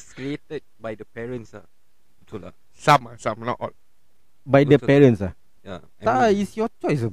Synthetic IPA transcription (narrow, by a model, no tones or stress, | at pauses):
skɹietət̚bajdəpɛɹə̃nsa̰ | tula̰ | sãmasãmnɔ̰ʔɔ̰l | bajdəpɛɹə̃nsa | ja | t̪aisjɔt͡ʃɔjs̬